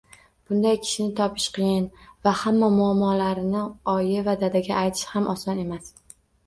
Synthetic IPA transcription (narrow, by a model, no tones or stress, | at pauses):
b̥ʊnd̪ajkʲʰɪ̥ʃɪnɪt̪ʰɒpʰɪ̥ʃqɨjɪnvahamːamʊamːɒlaɾɪnɪɒjɪvad̪ad̪aɡʲaːjt̪ʰɪ̥ʃhamʔɒsɒne̞mas